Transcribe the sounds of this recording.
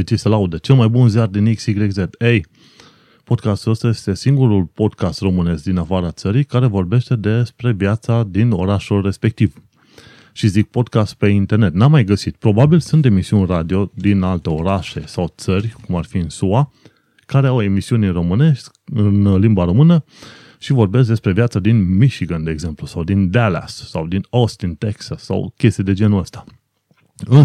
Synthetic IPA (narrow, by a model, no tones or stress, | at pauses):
it͡ʃisəlaud̪et͡ʃe̞lmajbunziard̪iniksiɡɾezet̪ej | po̞d̪kast̪uost̪je̞st̪e̞siŋɡuɾulpo̞d̪kast̪ro̞mɨne̞skd̪inafaɾat̪səɾijkaɾe̞vo̞rbe̞ʃt̪e̞d̪e̞spɾe̞vjat̪sad̪ino̞ɾaʃulre̞spe̞k̚t̪iv | ʃizik̚po̞d̪kast̪̚pe̞int̪e̞rne̞t̪namːajɡəsit̪pɾo̞babilsunt̪e̞misiunʲrad̪io̞d̪inalt̪e̞o̞ɾaʃe̞sawt̪sərʲkumarfiɨnsua | kaɾe̞awe̞misiunro̞mɨne̞ʃʲ | ɨnlimbaɾo̞mɨnə | ʃivo̞rbe̞sk̬d̪e̞spɾe̞vjat̪sad̪inmiʃiɡənd̪e̞ːɡze̞mplusawd̪ind̪ala̰sːa̰wd̪ino̞st̪int̪e̞ksasːa̰wkʲe̞st̪ejd̪e̞d͡ʒe̞nuəst̪ḁ | ɨ